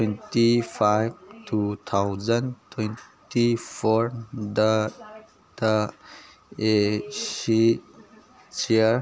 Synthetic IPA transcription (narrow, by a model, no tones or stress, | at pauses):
twentipʰajb̚tʰut̪ʰawzɐntʰwentipʰoɾdɐ | d̥ɐ | esi | siɾ